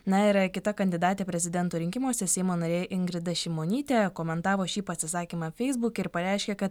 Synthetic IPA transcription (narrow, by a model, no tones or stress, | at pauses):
nɐɪɾkʲɪt̪ɐkɐnʲd̪ʲɪd̪ɑːt̪ʲeːpʲɾʲɛzʲɪd̪ʲɛnt̪uːɾʲɪŋʲkʲɪmuɔsʲɛsʲɛɪmoːnɐɾʲeːʔɪŋɡɾʲɪd̪ɐʃʲɪmoːnʲiːt̪ʲeːkoːmʲɛnt̪ɑːʋoːʃʲiːpɐsʲɪsɑːkʲiːmɑːfʲɛɪzbʊkʲɪɾpɐɾʲɛɪʃʲkʲɛkɐt̪